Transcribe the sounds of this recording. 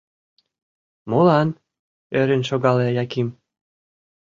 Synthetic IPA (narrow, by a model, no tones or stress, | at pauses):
molɑn | øɾenʃoɣɑlĕɑjɑkim